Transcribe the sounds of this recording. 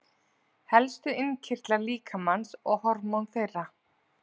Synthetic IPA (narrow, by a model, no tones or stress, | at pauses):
hɛlst̪ʏɪncʰɪr̥t̪laɾliːkʰamansɔɣhɔɾmawnfejrːa